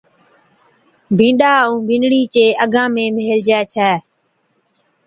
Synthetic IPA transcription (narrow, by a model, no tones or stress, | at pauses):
bʱĩːɗaːũːbʱɪ̃ːnɽiːt͡ʃeːʔəɡãːmẽːmeːld͡ʒɛːt͡ʃʰɛː